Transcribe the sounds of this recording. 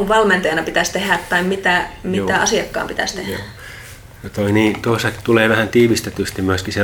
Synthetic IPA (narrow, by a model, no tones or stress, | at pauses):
uʋʋɑlment̪ɑjɑnɑpit̪æst̪ehæˑt̪tɑimmit̪æmiæɑsiɑkːɑ̰ːmpit̪æ̰st̪ehæ̰ | not̪oiniːt̪uosɑki̥t̪uleːʋæhænt̪iːʋist̪et̪yst̪imyøskise